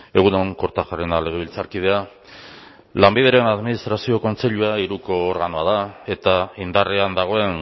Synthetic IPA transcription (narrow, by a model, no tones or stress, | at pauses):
e̞ɣ̞unoŋko̞ɾt̪aʝarenale̞ɣ̞e̞β̞ilt͡saɾkið̞e̞a | lambið̞e̞ɾe̞naðminist̪ɾasio̞ko̞nt͡se̞ʎuaiɾuko̞ːɾɣanoað̞ae̞t̪aind̪areand̪aɣ̞o̞e̞n